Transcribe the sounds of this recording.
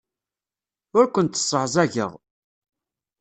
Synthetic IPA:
ʊɾkʷənt̪ːə̥sˤːəʕzˤæʝə̰ʁ

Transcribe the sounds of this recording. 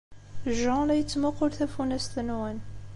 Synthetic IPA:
ʒːɑ̃læjət͡sːmʊqʊɾθæfunæst̪ənwæn

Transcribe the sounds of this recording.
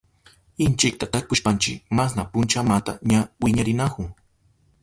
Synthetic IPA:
ɪnt͡ʃɪk̚t̪at̪akʊʃpant͡ʃɪmas̬napʊnt͡ʃamat̪a̰ɲawɪɲaɾɪnakʊŋ

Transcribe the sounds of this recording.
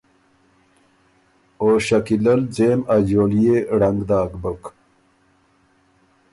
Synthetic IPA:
oːɕɐkilɐld͡ʑeːmad͡ʑoːlijeɽɐŋɡd̪aːkbək

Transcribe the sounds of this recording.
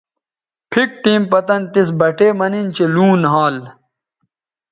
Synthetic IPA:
pʰik̚ʈiːmpɐt̪ɐnt̪is̬bɐʈeːmɐnint͡ɕeluːnɦaːl

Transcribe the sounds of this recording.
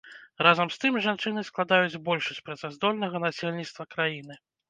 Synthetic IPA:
razɐmst̪ɨmʐant͡ʂɨnɨsklˠad̪ajud͡zʲbɔlʲʂusʲpɾɐzazd̪ɔlʲnɐɣɐnasʲelʲnʲit̪st̪vɐkɾajin̪ɨ

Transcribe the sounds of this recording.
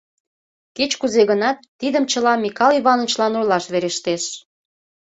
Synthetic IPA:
ket͡ɕkuzeɣənɑt̪ːid̪əmt͡ɕəlɑmːikɑlyβɑnət͡ɕlɑnulɑʃβeɾeʃt̪eʃ

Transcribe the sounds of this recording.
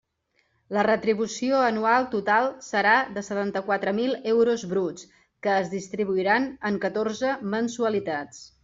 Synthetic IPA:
lərət̪ɾiβ̞usioənualˠt̪ut̪alˠsəɾad̪əsət̪ant̪əkwat̪ɾəmilˠɛwɾuzβɾut͡s | kəːzðist̪ɾiβuiɾanəŋkət̪orzəmənsuəlit̪at͡s

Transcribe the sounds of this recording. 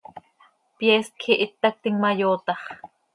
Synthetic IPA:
pjɛːs̚kʰiʔit̪ːɑk̚t̪iŋmɑjoːt̪ɑχ

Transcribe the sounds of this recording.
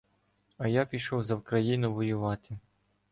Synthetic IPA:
ɐjapʲiʃɔwzɐwkɾɐjinʊʋɔjʊʋɑt̪ɪ

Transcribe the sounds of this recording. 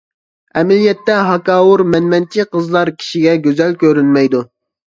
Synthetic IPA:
ɛmɪlijɛt̪ːɛɦɑkɑːwuɾmɛnmɛnt͡ʃʰiqʰəzlˠɑɾkʲʰi̥ʃiɡʲɛɡʲøzɛlkʲøɾynmɛjd̪u

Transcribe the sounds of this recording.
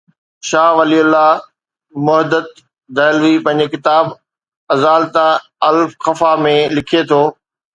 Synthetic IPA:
ʃaːʋɐliʊlːa | mʊɦd̪ət̪̚ | d̪ɐːlʋipɐ̃ɦɪ̃ɲ̆d͡ʑekɪt̪aːb | ɐzaːlt̪a | ɐlfxɐfamẽlɪkʰet̪ʰoː

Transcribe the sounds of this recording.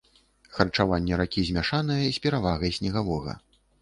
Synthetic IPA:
xɐrt͡ʂavanʲːɛɾakʲizʲmʲaʂanɨjɐisʲpʲɛɾavaɣɐjsʲnʲɛɣavɔɣɐ̰

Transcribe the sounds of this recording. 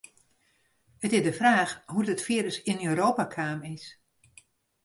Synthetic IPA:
ətɪzdəfraːxɦudətfiːəɾəsɪnøːɾoːpakʰaːmɪs

